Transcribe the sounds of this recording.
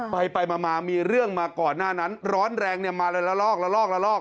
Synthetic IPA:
pa˧jpa˧jmaː˧maː˧miː˧ɾɯ˥˩əŋmaː˧kɔː˨˩nːaː˥˩na˦˥nɾɔː˦˥nɾɛː˧ŋni˥˩əmaː˧lɤː˧jla˧˥lɔː˥˩k̚la˧˥lɔː˥˩k̚la˧˥lɔː˥˩k̚

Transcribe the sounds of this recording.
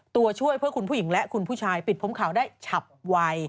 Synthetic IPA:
t̪u˧ɐt͡ɕʰu˥˩əjpʰɯ˥˩əkʰu˧npʰu˥˩ji˩˦ŋlɛ˦˥ʔkʰu˧npʰuː˥˩t͡ɕʰaː˧jpi˨˩t̪̚pʰo˦˥mkʰaː˩˦wdaː˥˩jt͡ɕʰa˨˩p̚wa˧j

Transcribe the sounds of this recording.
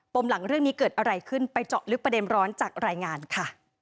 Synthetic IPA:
po˧mla˩˦ŋɾɯ˥˩ŋniː˦˥kɤː˨˩t̪̚ʔa˧ɾa˧jkʰɯ˥˩npa˧jt͡ɕɔ˨˩lɯ˦˥k̚pɾa˧de˧nɾɔː˦˥nt͡ɕaː˨˩k̚ɾaː˧jŋaː˧nkʰa˥˩

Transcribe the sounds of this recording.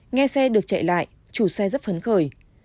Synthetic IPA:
ŋɛ˧sɛ˧ɗɨ˨˩ək̚t͡ɕa̰ː˧˨jla̰ː˧˨jʔ | t͡ɕu˧˩sɛ˧zə˦˥t̚fə˨˦nxəː˧˩j

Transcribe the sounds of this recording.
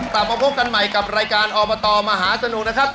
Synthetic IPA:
t̪a˨˩p̚ma˧pʰo˦˥p̚ka˧nma˨˩jka˨˩p̚ɾaː˧jkaː˧nʔɔː˧bɔː˧t̪ɔː˧maː˧ɦaː˩˦sa˧nu˨˩k̚na˦˥kʰa˦˥p̚

